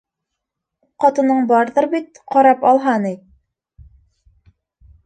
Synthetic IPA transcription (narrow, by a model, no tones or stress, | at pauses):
qɑt̪ɤ̆nɤɴbɑɾðɤɾbit̪̚qɑɾɑpɑlˠɦɑni